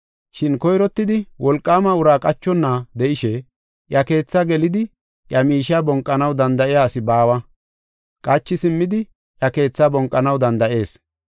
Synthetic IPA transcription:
ʃɪnkɔjɾɔt̪ːɪd̪ɪwɔlkʼːaːmɐʊɾaːkʼɐt͡ʃːɔnːad̪ɛʔɪʃɛ | ʔjɐke̞ːt͡sːɐɡɛlɪd̪ɪ | jɐmiːʃɪaːbɔŋkʼːɐnɐwd̪ɐnd̪ɐʔɪjaːsɪbaːwɐ | kʼɐt͡ʃːɪsɪmːɪd̪ɪ | jɐke̞ːt͡sːabɔŋkʼːɐnɐwd̪ɐnd̪ɐʔe̞ːs

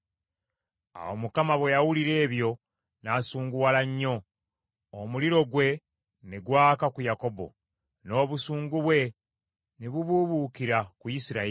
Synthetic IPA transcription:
a̰wo̰mukamaβwe̞jawuliɾe̞ːβjo̞ | nasuːŋɡuwalaɲːo̞ː | muliɾo̞ɡwe̞ | neɡwaːkakujako̞bo̞̰ | no̞ːβusuːŋɡuβwe̞ | neβuβuβukiɾakujisiɾa

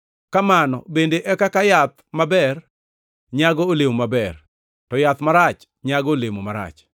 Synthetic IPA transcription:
kamanɔ̰bendeʔɛkakajat̪̚mabɛr | ɲaɡɔolemomabɛr | tɔjat̪maɾat͡ʃ | ɲaɡɔolemomaɾa̰t͡ʃ

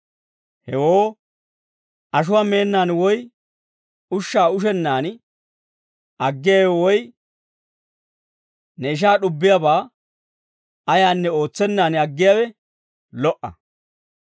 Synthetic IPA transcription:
hɛwoː | ʔɐʃ̬ʊwaːme̞ːnːaːnwɔj | ʊʃːaːʊʃ̬ɛnːaːn | ɐɡːɪjawɛwɔj | nɛɪʃ̬aːɗʊbːɪjabaː | ɐjaːnːɛo̞ːt͡sːɛnːaːnɐɡːɪjawɛ | lɔʔɐ̰

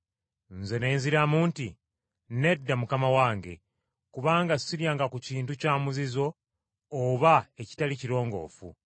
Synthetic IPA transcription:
nze̞ne̞ːnziɾamuːnti | ne̞dːamukamawaːŋɡe̞̰ | kuβaːŋɡassiɾjaːŋɡakuciːntucaːmuzizo̞ː | βaeci̥taliciɾo̞ːŋɡo̞̰ːfṵ

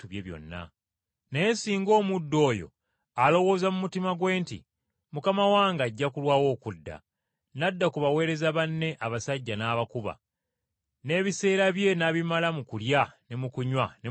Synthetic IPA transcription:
tuβjeβjo̰nːa̰ | neensiːŋɡo̞ːmudːo̞ːjo̞̰ | alo̞wo̞ːzamumutimaɡwe̞ːntḭ | mukamawaːŋɡaɟːakulwaːwo̞ːkudːa̰ | nadːakuβawe̞ːɾe̞zaβanːe̞ʔaβasaɟːanaːβakuβa̰ | ne̞ːβise̞ːɾaβje̞naβimalamukuljane̞mukuɲwane

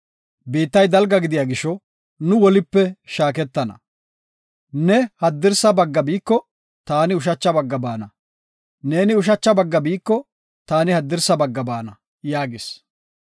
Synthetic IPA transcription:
biːt̪ːɐjd̪ɐlɡɐɡɪd̪ɪjaɡɪʃɔ | nʊwɔlɪpːɛʃaːkɛt̪ːɐnɐ̰ | nɛhɐd̪ːɪɾsɐbɐɡːɐbiːkːɔ | t̪aːnɪʊʃ̬ɐt͡ʃːɐbɐɡːɐbaːnɐ | ne̞ːnɪʊʃ̬ɐt͡ʃːɐbɐɡːɐbiːkːɔ | t̪aːnɪhɐd̪ːɪɾsɐbɐɡːɐbaːnɐ | jaːɡɪs

